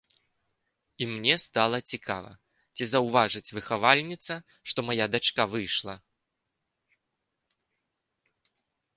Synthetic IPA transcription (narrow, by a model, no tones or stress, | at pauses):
imnʲɛst̪alˠɐt͡sʲikʰa̰vɐ̰ | t͡sʲizɐwvaʐɨt͡sʲvɨxavalʲnʲit̪sɐ | ʂt̪ɔmajad̪at͡ʂkavɨjʂlˠɐ